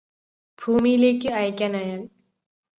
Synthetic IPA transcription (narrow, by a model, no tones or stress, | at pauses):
b̥ʱuːmileːkiɐjkʲanajan